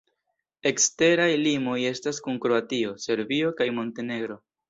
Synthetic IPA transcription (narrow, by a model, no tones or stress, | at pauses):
e̞kste̞ɾajlimo̞je̞staskunkɾo̞atio̞se̞ɾvio̞kajmo̞nte̞ne̞ɡɾo̞